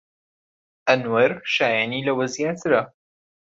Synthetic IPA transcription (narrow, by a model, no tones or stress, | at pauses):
ʔɐnwɐɾʃaːjaːniːlɐwɐzjaːt̪ʰɨɾɐ